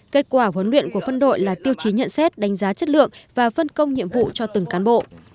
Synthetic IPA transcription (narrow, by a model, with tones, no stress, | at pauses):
ke˦˥t̚kwaː˧˩ɦwə˨˦nlwḭ˧˨ənku˧˩əfə˧nɗo̰˧˨jlaː˨˩t̪i˧əwt͡ɕi˨˦ɲə̰˧˨nsɛ˦˥t̚ɗa˨˦jŋ̟zaː˨˦t͡ɕə˦˥t̚lɨ̰˧˨əŋvaː˨˩fə˧nkə˧wŋ͡mɲḭ˧˨əmvṵ˧˨t͡ɕɔ˧t̪ɨ˨˩ŋkaː˨˦nɓo̰˧˨ʔ